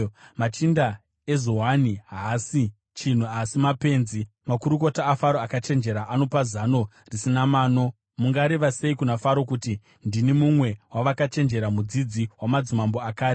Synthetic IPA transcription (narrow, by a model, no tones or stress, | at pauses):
mat͡ʃinda | e̞zo̞ɦaniɦasi | t͡ʃin̤uasimape̞nzi | makuɾuko̞taːfaɾoakat͡ʃe̞nd͡ʒe̞ɾaʔano̞pazano̞ | risinamaːno̞ | muŋɡaɾe̞ʋase̞ikunafaɾo̞kuti | ndinimumwe̞waʋakat͡ʃe̞nd͡ʒe̞ɾamud͡zid͡ziwamad͡zimambo̞akaːɾi